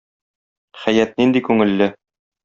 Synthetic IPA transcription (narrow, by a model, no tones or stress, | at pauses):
χæjæt̪̚nind̪ikʉŋɘ̆lːɘ